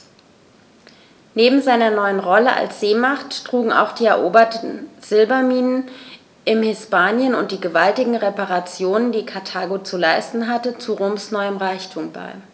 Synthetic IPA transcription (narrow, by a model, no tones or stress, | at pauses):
neːbm̩zaɪnɐnɔʏənʁɔləʔa̰lsz̥eːmaχttʁ̥uːɡŋ̩a̰ʊxd̥iːɛɐʔoːbɐtn̩z̥ɪlbɐmiːnən | ʔɪmhɪspaːnjənʊnt̚d̥iːɡəvaltɪɡŋ̩ʁepaʁat͡sjoːnəndiːkʰaɐtʰaːɡot͡sulaɪstn̩ɦatət͡suʁoːmsnɔʏəmʁaɪçtʰuːmba̰ɪ